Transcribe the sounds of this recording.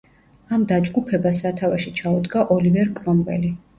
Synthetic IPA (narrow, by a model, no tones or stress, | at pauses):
amd̪ad͡ʒɡupʰɛbasat̪ʰavaʃit͡ʃʰaud̪ɡaʔɔlivɛɾkʼɾɔmvɛ̰li